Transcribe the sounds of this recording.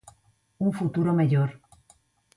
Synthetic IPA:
uŋfut̪uɾomeʎoɾ

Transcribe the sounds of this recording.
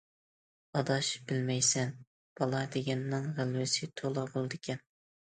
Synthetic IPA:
ɑd̪ɑʃb̥ɪlmɛjsɛn | b̥ɑlˠɑd̪eɡʲɛnːɪŋʁælwɪsɪt̪ʰolˠɑbolˠd̪ɪkʲʰɛn

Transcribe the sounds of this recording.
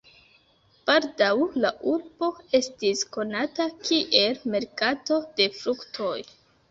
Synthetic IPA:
b̥aldawlaʔuɾb̥o̞e̞stisko̞natakʰiʔe̞lme̞ɾkato̞d̥e̞fɾuktʰo̞j

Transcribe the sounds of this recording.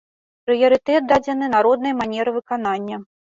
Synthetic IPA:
pɾɨjɐɾɨt̪ɛt̪̚d̪ad͡zʲɛnɨnaɾɔd̪nɐjmanʲɛɾɨvɨkananʲːɐ

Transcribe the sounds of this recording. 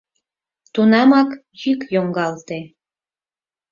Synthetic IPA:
t̪unɑmɑk | jykjoŋɡɑlt̪e

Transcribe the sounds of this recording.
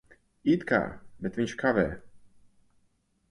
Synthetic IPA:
it̪ka̰bɛt̪viɲʲt͡ʃkʰavɛ

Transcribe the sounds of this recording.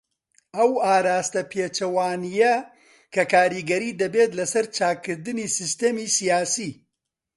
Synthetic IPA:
ɐwaːɾaːst̪ɐpʰeːt͡ʃɐwaːnijɐ | kʰɐkaːɾiɡɐɾiːd̪ɐbeːt̪lɐsɐɾt͡ʃaːkːɨɾd̪ɨniːsɨst̪eːmisijaːsi

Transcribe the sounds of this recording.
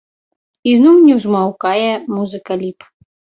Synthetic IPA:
iznumnʲiwzmawkajɛmuzɨkɐlʲip

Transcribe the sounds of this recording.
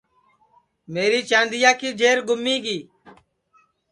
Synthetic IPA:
meːɾiːt͡ʃãːnd̪ɪjaːkiːd͡ʒeːɾɡʊmːiːɡiː

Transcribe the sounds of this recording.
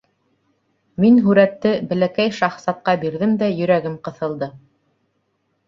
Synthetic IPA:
minɦʉɾæt̪ːɘbɘ̆lækæjʃɑχsɑt̪̚qɑbiɾðɘmd̪æjɵ̆ɾæɡɘmqɤ̆θɤ̆lˠd̪ɤ

